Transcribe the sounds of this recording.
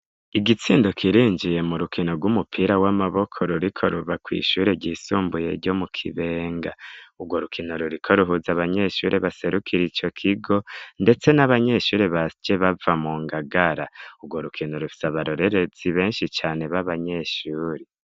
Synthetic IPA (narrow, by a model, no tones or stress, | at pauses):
iɡit͡siːndo̞kʰiɾiːɲd͡ʒije̞muɾukʰino̞ɡwumupʰiɾawamaβo̞kʰo̞ɾuɾikʰo̞ɾuvakwḭːʃuɾeɟiːsuːmbujḛɾɟo̞mukʰiβe̞ːŋɡauɡwo̞ɾukʰinoɾuɾikʰo̞ɾuɦuzaβaɲe̞ʃuːɾʔeβase̞ɾukʰiɾit͡ʃo̞kʰiɡo̞nde̞t͡se̞naβaɲe̞ʃuːɾeβad͡ʒeβavamuːŋɡaɡaɾauɡwo̞ɾukʰinoɾufi̥saβaɾo̞ɾe̞ɾe̞z̥iβe̞ːnʃit͡ʃaːne̞βaβaɲe̞ʃuːɾe